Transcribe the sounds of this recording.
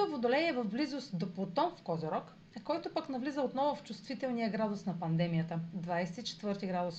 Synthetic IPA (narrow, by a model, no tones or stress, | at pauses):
ovod̪olɛɛvɐvblizost̪d̪oplˠt̪ɔnfkɔzoɾɔk | ɐkɔjt̪ʊpɐknɐvlizəot̪nɔvʊft͡ʃust̪vit̪ɛlˠnijəɡɾad̪ʊsnɐpɐnd̪ɛmijət̪əd̪vajsɛ̥t̪it͡ʃɛ̥t̪vɤɾt̪iɡɾad̪ʊs